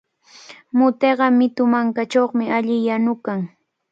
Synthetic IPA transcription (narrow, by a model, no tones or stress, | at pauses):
mʊt̪eɢɑmɪt̪ʊmaŋkat͡ʃoχmɪaʎɪjanʊkaŋ